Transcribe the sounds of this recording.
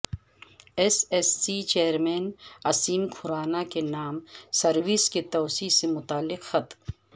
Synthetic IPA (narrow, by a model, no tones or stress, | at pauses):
esesːit͡ʃeːɾmeːnɐsiːnkʰʊɾaːnakenaːmsɐɾwisket̪ɔːsiːsemʊt̪aːlːɪqxɐt̪